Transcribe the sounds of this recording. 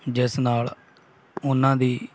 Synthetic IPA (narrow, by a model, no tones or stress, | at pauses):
d͡ʒɪsnaːl | ʊnːãːd̪iː